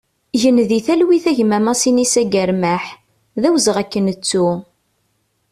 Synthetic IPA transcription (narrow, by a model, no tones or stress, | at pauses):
ʝənðiθælwiθæʝmæmɑsinisæɡæɾmæħ | ðæwzəʁækːənət͡sːu